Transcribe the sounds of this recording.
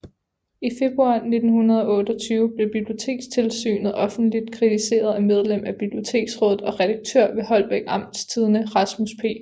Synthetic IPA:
ife̝b̥ʁuɑ̰̈ne̝d̥n̩hunɐðˠɒ̽ɔ̽ːd̥ɒ̽t͡sʰyːʊb̥le̝b̥ib̥lio̝t͡sʰe̝̰ːɡ̥st͡sʰe̝lsy̰ːnð̩ˠʔɒ̽fn̩d̥lid̥̚kʰʁit͡sʰise̝̰ːɐð̞ˠæmeð̞ˠlem̰æb̥ib̥lio̝t͡sʰe̝̰ːɡ̥sʁɔ̽ːð̩ˠɒ̽ʁɛɾ̥ɑ̈ɡ̥̚t͡sʰøɐ̰ʋe̝ɦɒ̽lb̥eɡ̥ɑ̈m̰d̥st͡sʰiːð̞ˠənəʁɑ̈smuspʰe̝̰ː

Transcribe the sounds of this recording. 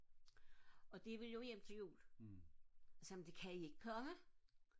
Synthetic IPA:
ɒ̽d̥eʋeljo̝jem̰t͡sʰe̝jṵːl | sɛmn̩d̥e̝kʰæie̝ɡ̥ə̥kʰɒ̽mə

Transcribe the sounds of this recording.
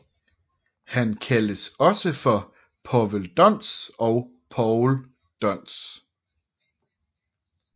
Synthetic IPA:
hænkʰæləsɒ̽səfɒ | pʰɒʋəld̥ɒn̰sɒʊ | pʰɒʊl | d̥ɒn̰s

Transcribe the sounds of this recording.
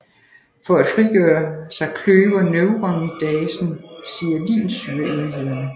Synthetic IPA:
fɒ̽æd̥fʁiɡ̥œːɐsɑ̈ɪkʰløːʋɐnøʊʁɑnid̥ɛːsn̩siːɐlḭːnsyːɐe̝nʋeð̰ˠɐnə

